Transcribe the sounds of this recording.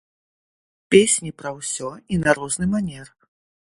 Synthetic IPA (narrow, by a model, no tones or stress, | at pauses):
pʲesʲnʲipɾɐwsʲɔinaɾɔznɨmanʲɛr